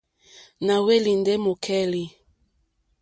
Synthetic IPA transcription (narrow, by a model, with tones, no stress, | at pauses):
na˨we˦li˨ndɛ˦mo˨kʰɛ˦li˨